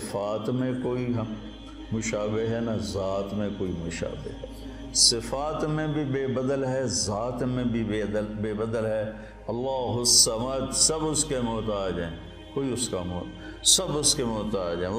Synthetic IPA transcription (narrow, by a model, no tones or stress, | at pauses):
faːt̪mẽkoːiɦɐ | mʊʃaːbeɦɦɛnazaːt̪mẽkoːimʊʃa̰ːbɪ̰ɦɦɛː | sɪfaːt̪mẽbʱibeːbəd̪əlɦɛːzaːt̪mẽbʱibed̪əlbeːbəd̪əlɦɛː | ɐlːaːɦʊsɐmaːd̪sɐbʊskemoːt̪aːd͡ʒaẽ | koːiʊskamoː | sɐbʊskemoːt̪aːd͡ʒaẽ